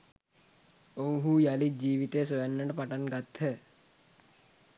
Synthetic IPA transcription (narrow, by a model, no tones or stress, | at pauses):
owɦuːjalid͡ʒiːʋit̪ejəsoʋanːəʈəpaʈanɡat̪hə